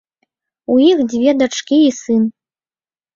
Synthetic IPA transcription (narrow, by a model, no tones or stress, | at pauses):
ujixd͡zʲvʲeɛd̪ɐʈ͡ʂkʲiisɨn